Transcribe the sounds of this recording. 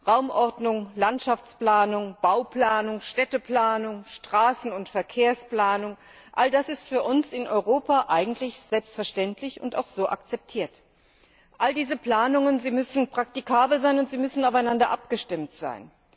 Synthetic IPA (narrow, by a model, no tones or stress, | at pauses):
ʁaʊmʔɔɐdnʊŋlantʃaft͡splaːnʊŋb̥aʊplaːnʊŋʃtɛtəplaːnʊŋʃtʁ̥aːsn̩ʊntfɛɐkʰeːɐsplaːnʊŋ | ʔaldasɪstfyːɐʔʊnsɪnʔɔʏʁoːpaʔaɪɡŋ̩tʰlɪçz̥ɛlpstfɛɐʃtɛntʰlɪçʊ̰nta̰ʊxz̥oːʔa̰kt͡sɛp̚tʰiːɐt | ʔaldiːzəpl̥aːnʊŋənziːmʏsn̩pʁ̥ak̚tikʰaːbl̩zaɪnʊntz̥iːmʏsn̩aʊfaɪnandɐʔap̚ɡ̥əʃtɪmtz̥a̰ɪn